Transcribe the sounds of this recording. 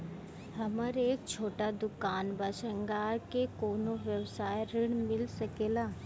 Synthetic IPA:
hɐməɾeːk̚t͡ʃʰoːʈad̪ʊkaːnbaːʃə̃ŋɡaːɾkekoːnoʋjəwsaːjɾɪɽ̃mɪlsɐkeːlaː

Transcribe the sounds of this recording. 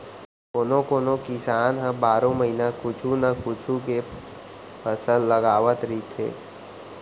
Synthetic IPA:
koːnõkoːnõkɪsaːnɦə̃baːɾõməɦinakʊt͡ʃʰunakʊt͡ʃʰũke | pʰəsəlːəɡaːʋət̪ɾit̪ʰḛː

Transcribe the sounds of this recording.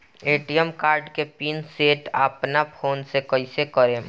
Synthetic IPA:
eːʈijəmkaːɾɖkepiːnseːʈa̰ːpnapʰoːnsekəisekəɾẽː

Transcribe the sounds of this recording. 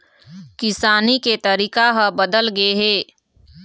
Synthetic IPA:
kɪsaːniket̪ɐɾiːkaɦɐbɐd̪əlɡɐeɦɛː

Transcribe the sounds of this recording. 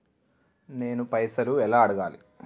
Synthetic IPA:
ne̞ːnupɐjsɐluɛlaːɐɽɐɡaːli

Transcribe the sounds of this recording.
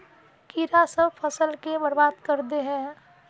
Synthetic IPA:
kiɾasəbpʰəsəlkebəɾbaːd̪kəɾd̪eɦɛ̃ː

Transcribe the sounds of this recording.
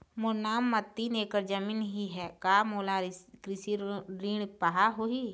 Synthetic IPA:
mʊɾnaːmːɐt̪ːineːkəɾd͡ʒɐmiːnɦiɦɛkaːmoːlakɾɪsiɾiːɽ̃paɦaɦoi

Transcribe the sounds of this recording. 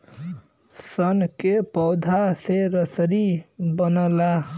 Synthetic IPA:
sʌnkepɔwd̪ʱaseɾʌsəɾibʌnɔla

